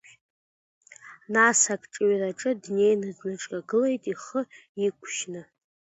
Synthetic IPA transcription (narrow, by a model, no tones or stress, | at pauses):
nasakʼʈ͡ʂʼɥraʈ͡ʂʼɨdnejnɨznɨʈ͡ʂʼkʼaɡɨle̞jtʼiχəikʷʼʰʃnɨ